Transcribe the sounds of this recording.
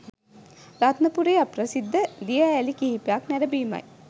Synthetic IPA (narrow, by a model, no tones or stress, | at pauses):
rat̪nəpuɾeːaprəsid̪ʱːəd̪ijəːlikiɦipejaknæɾəbiːma̰j